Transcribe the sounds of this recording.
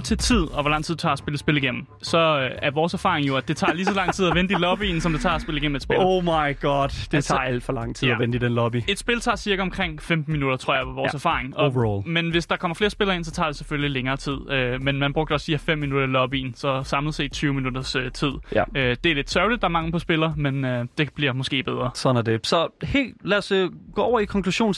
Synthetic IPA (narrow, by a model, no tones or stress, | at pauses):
t͡sʰe̝t͡sʰið̰ˠɒ̽ʋɒlɑ̈ŋ̰t͡sʰið̰ˠu̥t͡sʰɑ̰̈ːsb̥e̝ləsb̥e̝liɡ̥en̰m̩ | sɒ̽æɐʋɒːsæɐfɑ̰̈ːʁeŋjo̝æd̥e̝t͡sʰɑ̰̈ːlisɒ̽lɑ̈ŋ̰t͡sʰið̰ˠæʋend̥əilɒ̽b̥iːn̩sɒ̽md̥e̝t͡sʰɑ̰̈ːsb̥e̝ləiɡ̥en̰m̩ed̥sb̥elomɑɪɡ̥ɑd̥d̥et͡sʰɑ̈ːæl̰d̥fɒlɑ̈ŋ̰t͡sʰið̰ˠæʋend̥idenlɒbie̝d̥sb̥e̝lt͡sʰɑ̈ːsiɐɡ̥æɒ̽mkʰʁeŋ̰femd̥n̩minud̥ɐt͡sʰʁo̰ɐ̰jɑʋɑʋɒ̰ːsæɐfɑ̰̈ːʁeŋɒoʋlmenʋe̝sd̥ɑ̈kʰɒ̽m̰ɐfle̝ːɐsb̥e̝lɐe̝n̰sɒ̽t͡sʰɑ̰̈ːde̝seføllileŋɐːt͡sʰið̰ˠømenmænb̥ʁɔ̽ɡ̥d̥əɒ̽sd̥ihæfem̰ːinud̥ɐlɒ̽b̥iːn̩sɒ̽sɑ̈mlð̩ˠsḛ̥t͡sʰyːʊminud̥ɐsøt͡sʰið̰ˠød̥e̝æɐle̝d̥sœʊlid̥ɑ̈æɐmɑ̈ŋəpʰɒ̽sb̥e̝lɐmenød̥e̝b̥liɐmɔ̽sɡ̥e̝̰ːb̥eð̞ˠʁɐsɒ̽næɐde̝sɒ̽he̝̰ːldlæːsɡ̥ɔ̰ːɒ̰ʊɐikʰɒ̽ŋkʰluɕo̝̰ːn